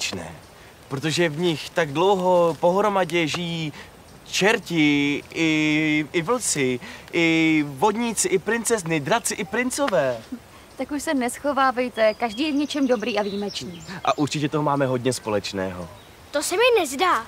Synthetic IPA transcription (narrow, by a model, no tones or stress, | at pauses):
t͡ʃnɛ̰ː | pɾot̪̬o̞ʒɛvɲɪxt̪aɡdlo̞wɦo̞po̞ɦɾo̞maɟɛʒɪjiː | t͡ʃɛɾcɪʔɪɪvl̩t͡sɪʔɪvo̞dɲɪt͡sɪʔɪpɾɪnt͡sɛznɪdɾat͡sɪʔɪpɾɪnt͡so̞vɛː | t̪akuʃsɛnɛsxo̞vaːvɛjt̪ɛkaʒdiːjɛvɲɛt͡ʃɛmdo̞bɾiːʔaviːmɛt͡ʃnniːʔa̰ʔuɾt͡ʃɪcɛt̪oɦomaːmɛɦo̞d̪ɲɛspo̞lɛt͡ʃnɛ̰ːɦo̞̰ | t̪osɛmɪnɛzdaː